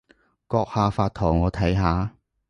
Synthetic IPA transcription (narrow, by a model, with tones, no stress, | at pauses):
kɔː˧k̚haː˨˧faː˧t̚t̪ʰɔː˨˩ŋɔː˨˧t̪ʰɐ˨˥jɦaː˨˧